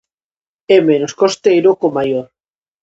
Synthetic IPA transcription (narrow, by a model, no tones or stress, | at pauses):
emenoskost̪ejɾokomajoɾ